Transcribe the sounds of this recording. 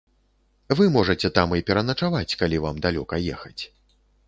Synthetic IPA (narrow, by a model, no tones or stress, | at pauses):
vɨmɔʐɐt͡sʲɛt̪amipʲɛɾɐnɐt͡ʂavat͡sʲkalʲivamd̪alʲɔkɐjɛxɐt͡sʲ